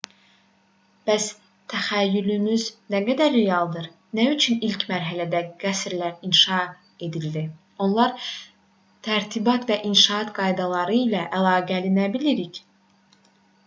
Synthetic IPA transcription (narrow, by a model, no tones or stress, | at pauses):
b̥æs | t̪ʰæxæjːylymyznæɡæd̪æɾːejɑlˠd̪ɯɾ | næyt͡ʃʰynilcmæɾɦælæd̪æɡ̥æsɾlæɾinʃɑ | e̞d̪ild̪i | o̞nlˠɑɾ | t̪ʰæɾt̪ʰibɑt̪væʔinʃɑɑt̪ɡɑjd̪ɑlˠɑɾɯilæʔælˠɑːɡælinæbiliɾic